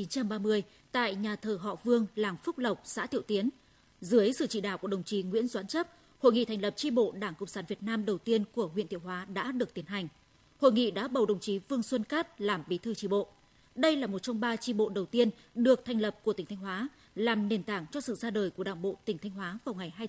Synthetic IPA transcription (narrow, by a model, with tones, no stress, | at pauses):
i˨˦nt͡ɕa˧mɓaː˧mɨ˧əj | t̪a̰ː˧˨jɲaː˨˩t̪ʰəː˨˩ɦɔ̰˧˨vɨ˧əŋlaː˨˩mfʊ˦˥k͡p̚lə˨˩wk͡p̚sa̰ː˧˥t̪ʰḭ˧˨wt̪i˨˦ən | zɨ˨˦əjsɨ̰˧˨t͡ɕḭ˧˨ɗa̰ː˧˩wku˧˩əɗə˨˩wŋ͡mt͡ɕi˨˦ŋwḭ˧˥ənzwaː˨˦nt͡ɕə˦˥p̚ | ho̰˧˨jŋḭ˧˨t̪ʰɛ˨˩ŋ̟lə˨˩p̚t͡ɕi˧ɓo̰˧˨ɗaː˧˩ŋkə̰˧˨ŋ͡msaː˨˦nvi˨˩ət̚naː˧mɗə˨˩wt̪i˧ənku˧˩əɦwḭ˧˨nt̪ʰi˧˨əwɦwaː˨˦ɗa̰ː˧˥ɗɨ˨˩ək̚t̪i˨˦ənɦa˨˩jŋ̟ | ho̰˧˨jŋḭ˧˨ɗa̰ː˧˥ɓə˨˩wɗə˨˩wŋ͡mt͡ɕi˨˦vɨ˧əŋswə˧nkaː˦˥t̚laː˨˩mɓi˨˦t̪ʰɨ˧t͡ɕi˧ɓo̰˧˨ | ɗə˧jlaː˨˩mo˨˩t̚t͡ɕɔ˧wŋ͡mɓaː˧t͡ɕi˧ɓo̰˧˨ɗə˨˩wt̪i˧ən | ɗɨ˨˩ək̚t̪ʰjŋ̟lə˨˩p̚ku˧˩ət̪ï˩ŋ̟t̪ʰjŋ̟ɦwaː˨˦ | laː˨˩mne˨˩nt̪aː˧˩ŋt͡ɕɔ˧sɨ̰˧˨zaː˧ɗəː˨˩jku˧˩əɗa̰ː˧˩ŋɓo̰˧˨t̪ï˧˩ŋ̟t̪ʰa˧jŋ̟ɦwaː˨˦vaː˨˩wŋa˨˩jɦaː˧j